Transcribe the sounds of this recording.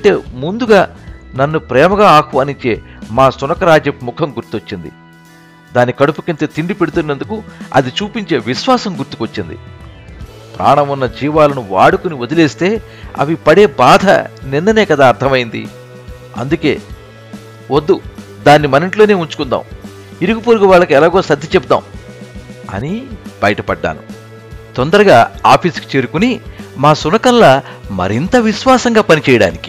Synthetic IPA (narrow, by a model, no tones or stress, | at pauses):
ɐɳʈe̞ːmund̪uɡaːnɐnːupɾɛːmɐɡaːaːkʰʋaːniɲt͡ʃe̞ːmaːsunɐkɐɾaːd͡ʒjɐmukʰɐmɡuɾt̪iot͡ʃːind̪ḭ | d̪aːnːikɐɽupu̥kint̪eːt̪iɳɖipe̞ɽut̪unːɐnd̪ukuɐ̰d̪it͡ʃuːpiɲt͡ʃe̞ːʋiʃʋaːsɐmɡuɾt̪u̥kʋɐt͡ʃːind̪ḭ | pɾʔa̰ːɳɐmunːɐd͡ʒiːʋaːlɐnuʋa̰ːɽukuniod̪ileːst̪e̞ː | ɐ̰ʋipɐɽe̞ːbaːd̪ʱɐ̰ninːɐne̞ːkɐd̪aːɾt̪ʰɐmɐjind̪ḭ | ɐ̰nd̪uke̞ː | wod̪ːu | d̪aːnːimɐniɳʈlo̞ːne̞ːuɲt͡ʃu̥kund̪a̰ːm | iɾuɡupuːɾɡɐʋaːɭːɐkuɛlaːɡo̞ːsɐd̪ːit͡ʃebud̪a̰ːm | ɐ̰nib̥ɐjɐʈɐpɐɖːa̰ːnu | t̪ɔnd̪ɐɾɐɡaːaːpʰiːski̥t͡ʃe̞ːɾukunimaːsunɐkɐnlɐmɐ̰ɾint̪ɐʋiʃʋaːsɐŋɡaːpɐnit͡ʃɛːjɐɽa̰ːniki̥